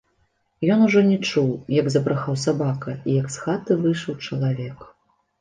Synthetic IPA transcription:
jɔnuʐɔnʲɛt͡ʂuwjɐɡzɐpɾaxawsabakɐijɐksxat̪ɨvɨʂɐwt͡ʂɐlˠavʲɛk

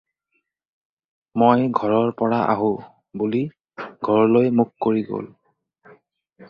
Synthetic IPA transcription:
mojɡʱɔɹɔɹpɔɹaʔa̰ɦʊ̃ | buli | ɡʱɔɹlojmukːoɹiɡo̰l

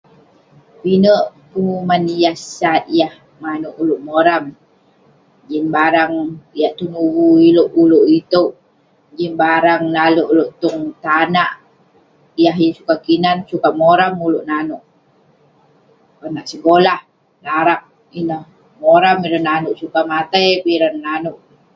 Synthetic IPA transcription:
pinəʔpəŋumanijahsat̪̚jah | ŋanoʔuloʔmoɾam | d͡ʒinbaɾaŋjaʔt̪unuwuiloʔuloʔit̪oʔ | d͡ʒinbaɾaŋlaloʔuloʔt̪uŋt̪anaʔ | ijaɦjasukakinansukamoɾamuluʔnanuʔ | anaʔsəkolah | laɾak̚ | inəh | moɾamiɾananuʔsukamat̪ajpiɾanːanuʔ

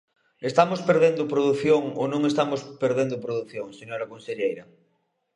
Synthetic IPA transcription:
est̪amospeɾð̞end̪opɾoðuθjoŋonõŋest̪amospeɾðend̪opɾoðuθjoŋseɲoɾakonseʎejɾɐ

